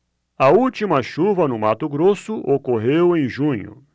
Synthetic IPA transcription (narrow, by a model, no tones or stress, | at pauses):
ɐuwt͡ʃimɐʃuvɐnʊmat̪ʊɡɾosʊʔokoɦewẽj̃ʒũɲʊ̰